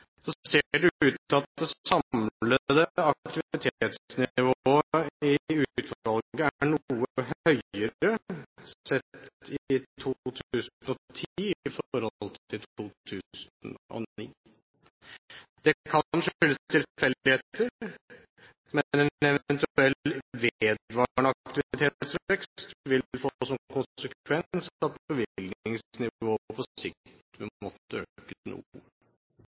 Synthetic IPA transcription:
sɔseːɖɛʉːt̪ɑt̪̚d̪ɛsɑmləd̪ɛɑk̚t̪ɪʋɪt̪ʰeːt̪snɪʋoːəɪʉːt̪ʋɑlɡəæɳːuːəəɦhœʏəɾəsɛt̪ɪt̪ʰut̪ʰʉːsn̩ɔt̪ʰifɔɾhɔlt̪ʰɪlt̪ʰuːt̪ʰʉːsn̩ɔ̰iː | d̪̥ɛkʰɑnʂʏlːət̪ʰɪlfɛlːɪheːt̪əɾ | mɛnɛɛʋɛnt̪ɛlʋeːd̪ʋɑːɳəɑkt̪ɪʋɪt̪ʰeːt̪sʋɛkst̪ʋɪlfoːsɔmkʊnsəkʋɛnsɑt̪̚pʰɔbəʋɪlɡ̪nɪŋsnɪʋʋoːpʰɔɪk̚t̪tʋɪmɔt̪ːəøːkənṵə

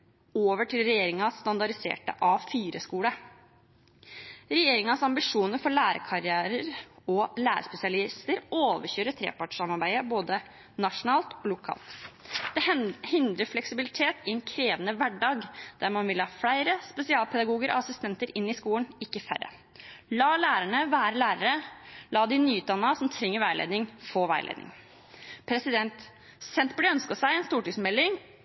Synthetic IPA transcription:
oːʋəʈʰɪlɾɛjeːɾɪŋɑsːt̪ɑnd̪ɑɖɪsḛːʈə̰ʔɑfiːɾəskuːɽə | ɾɛjeːɾɪŋɑsɑmbɪʂuːnəɾfɔɭæːɾə̰kʰɑɾɪæːɾəɾɔlæ̰ːɾəspɛsɪɑlɪst̪əɾoːʋəçøːɾət̪ʰɾḛːpɑʈʂɑmɑɾbæɪəboːd̪ə | nɑʂʊnɑːlt̪ɔlʊkʰɑ̰ːlt̪d̪̥ɛhɪnd̪ɾəɾflɛksɪbɪlɪt̪ʰeːt̪ɪɛnkʰɾeːʋənəʋæɖɑːɡd̪̥æɾmɑnʋɪlhɑːflæɪɾəspɛsɪɑːlpʰɛd̪ɑɡuːɡəɾɔ̰ɑsɪst̪ɛnt̪əɾɪnːɪskuːənɪkːəfæ̰ɾə̰ | lɑːlæːɾəɳəʋæːɾəlæːɾəɾəlɑːd̪ɪnyːʉːt̪d̪ɑnːəɑsɔmt̪ʰɾɛŋːəɾʋæɪlḛːd̪nɪŋfoːʋæɪlḛːd̪nɪ̰ŋ | pʰɾɛsɪd̪ɛnt̪ | sɛnt̪blɪœnskəsæɪɛnst̪uːʈɪsmɛlːɪŋ

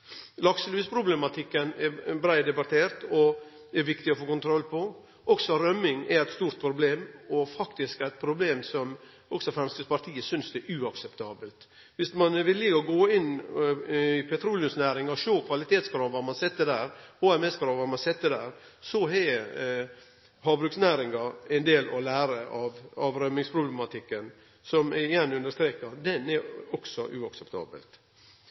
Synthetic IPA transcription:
lɑkslʉːspʰɾʊblɛmɑt̪ʰɪkːənɛbɾæɪd̪ɛbɑt̪ʰeːɾt̪ɔ | ɛɾʋɪkt̪ɪɔfoːkʊnt̪ʰɾɔlːpʰɔ | ɔksɔɾœmːɪŋɛɾæɪt̪st̪uːɾt̪̚pʰɾʊbleːmɔfɑkt̪ɪskæɾɪt̪̚pʰɾʊbleːmsɔm | ɔksɔfɾɛmst̪ɪspɑɾt̪ʰiːəsʏnsd̪ɛʔʉɑksɛpt̪ʰɑːbəlt̪ | ʋɪsmɑnʋɪlːjɪɔɡoːɪn | ɪpʰɛt̪ʰɾuːlɪʊmsnæːɾɪŋɑʃoːkʰʋɑlɪt̪ʰeːt̪skɾɑːʋɑmɑnsɛt̪ːəd̪æːɾhoːɛmɛskɾɑːʋɑmɑnsɛt̪ːəd̪æːɾsɔɛ | ɦɑːbɾʉːksnæːɾɪŋɑɛnd̪eːlɔlæːɾəʔɑʋɑʋɾœmɪŋspʰɾʊblɛmɑt̪ʰɪkːən | sɔmɛjɛnːʉnd̪əʂt̪ɾeːkɑɾd̪ɛnɛɾɔɡsɔʔʉːɑksɛpt̪ʰɑ̰ːbə̰lt̪

